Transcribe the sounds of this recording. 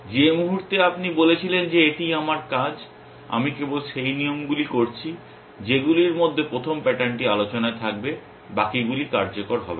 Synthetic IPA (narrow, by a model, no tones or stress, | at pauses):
d͡ʑemuɦuɾt̪eapnibolet͡ɕʰilend͡ʑeeʈijamaɾkad͡ʑ | a̰mikebolʃejnijomɡulikoɾt͡ɕʰi | d͡ʑeɡuliɾmod̪ʱːepɾot̪ʰompɛʈaɳʈialot͡ɕonaet̪ʰak̚be | bakiɡulikaɾd͡ʑokoɾɦɔ̰bḛ